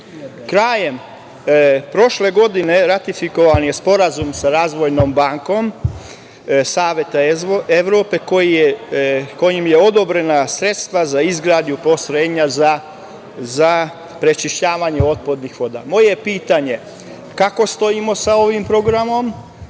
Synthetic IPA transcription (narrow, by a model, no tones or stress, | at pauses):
kɾaːje̞m | pɾo̞ʃle̞ɡo̞d̪ine̞ɾat̪ifiko̞ʋanje̞spo̞ɾazumsaɾaːzʋo̞jno̞mbaŋko̞m | saːʋjet̪aeʋɾoːpe̞kojiko̞jimje̞o̞d̪o̞bɾe̞nasɾe̞t̪st̪ʋazaizɡɾaːd̪jupo̞sɾeːɲaza | za | pɾe̞t͡ʃiʃt͡ɕaːʋaɲe̞o̞t̪̚pod̪nixʋo̞d̪a̰mo̞je̞piːt̪aɲe̞ | kako̞st̪o̞imo̞sao̞ʋimpɾo̞ɡɾamo̞m